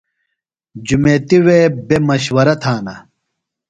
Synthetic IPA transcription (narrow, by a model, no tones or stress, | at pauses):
d͡ʑumeːt̪iweːbemɐɕwɐɾɐt̪ʰaːnɐ